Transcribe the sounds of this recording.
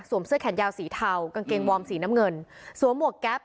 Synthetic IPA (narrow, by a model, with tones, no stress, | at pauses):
su˨˩˦msəkʰɛ˩˦njaː˧wsiː˩˦t̪ʰa˧wka˧ŋkeː˧ŋwɔː˧msiː˩˦naː˦˥mŋɤ˧nsu˩˦mːu˨˩ək̚kɛː˦˥p̚